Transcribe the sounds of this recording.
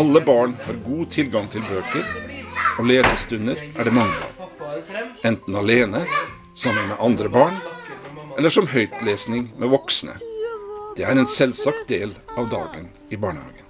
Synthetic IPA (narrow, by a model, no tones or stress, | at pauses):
ɑlːəbɑːɳhɑːɾɡuːt̪ʰɪlɡɑŋt̪ʰɪlbøːkəɾoːleːsəst̪ʉnəɾʔæɖɛːmɑŋːə̰ɑ̰ːʋ | ɛnt̪n̩ɑleːnə | sɑmːənmeːʔɑnd̪ɾəbɑːɳ | ʔɛlːəʂɔmhœʏt̪leːsnɪŋmʔeːʋɔksnə̰ | d̪̥eːæɾɛːnsɛlsɑk̚t̪̚d̪eːlɑːʋd̪ɑ̰ːɡən | iːbɑːɳəhɑ̰ːɡən